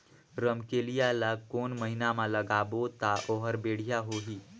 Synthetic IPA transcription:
ɾəmkelijalakoːnməɦɪnamãləɡaːbot̪aʔoːɦəɾbeːɽ̤ijaɦoɦi

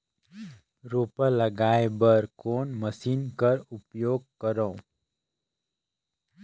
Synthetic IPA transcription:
ɾoːpəlɐɡaːebəɾkoːnməsiːnkəɾʊpjoːɡ̚kəɾõː

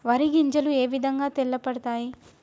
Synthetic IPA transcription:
ʋɐɾiɡiɲd͡ʒɐlueːʋid̪ʱɐŋɡaːt̪elːɐpɐɽɐt̪aːji

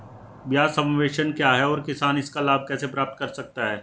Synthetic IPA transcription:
bjaːsɐ̃mʋeːʃənkjaːɦɛɔːɾkɪsaːnɪskalaːb̚ʱkɛːsepɾaːp̚t̪̚kɐɾsɐk̚t̪aɦɛː

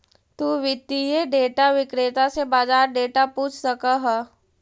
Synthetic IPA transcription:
t̪uːʋɪd̪ijeɖeːʈaʋɪkɾeːt̪asebaːd͡ʒaːɾɖeːʈapũːt͡ʃʰsɐkaɦɛ

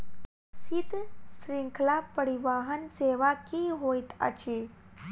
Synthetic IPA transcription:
sit̪sɾiŋkʰlapəɽiʋaɦənseʋakiɦojt̪ə̰t͡ɕi

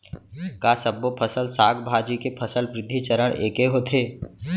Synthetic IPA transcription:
kaːsəbːopʰəsəlsaːɡʰbʱaːd͡ʒikepʰəsəlpɾɪd̪ʱːit͡ʃəɾəɽ̃ʔeːkeɦoːt̪ʰeː

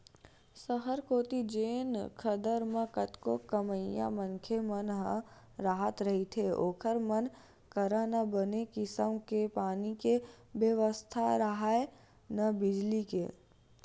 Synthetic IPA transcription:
səɦəɾkoːt̪id͡ʒeːnkʰəd̪əɾmə̃kət̪kokəməja̰mə̃ŋkʰemənɦə̃ | ɾaːɦət̪ɾəɦit̪ʰeoːkʰəɾmən | kəɾanɐbənekɪsəmkepaːnike | bjəʋəst̪ʰaɾəɦae | nɐbɪd͡ʒlikḛː

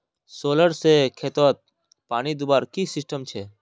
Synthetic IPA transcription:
soːləɽsekʰeːt̪ət̪̚ | paːnid̪ʊbaːɾkisɪsʈəmt͡ʃʰeː

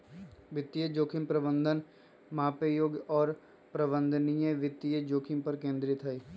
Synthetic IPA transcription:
ʋɪt̪ːijəd͡ʒoːkʰɪmpɾəbə̃nd̪ʱən | maːpejoːɡɔːɾ | pɾɐbə̃nd̪ʱnijẽʋɪt̪ːijəd͡ʒoːkʰɪmpɐɾkẽːnd̪ɾɪt̪ʰɦəi

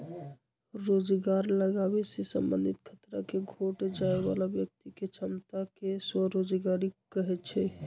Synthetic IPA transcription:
ɾod͡ʒɡaɾləɡabesesə̰mbənd̪it̪kʰət̪ɾa̰keɡʱoʈd͡ʒaeba̰labjək̚t̪iket͡ʃʰəmt̪akeswəɾod͡ʒɡaɾikəɦɛt͡ʃʰɛ

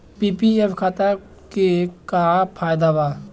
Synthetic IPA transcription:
piːpiefkʰaːt̪a | kekapʰaːjd̪aʋaː

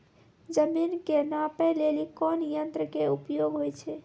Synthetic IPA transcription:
d͡ʒəminkenapɛlelikɔnjənt̪ɾəkeupjoɡɦojt͡ʃʰɛ

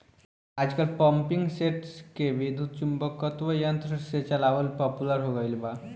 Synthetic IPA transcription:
ad͡zkəlpəmpiŋɡseʈskeʋid̪ʱuːd̪̚t͡ʃumbəkːət̪ʋəjənt̪ɾəset͡ɕalaʋəlpɔpuləɾɦoɡəilba

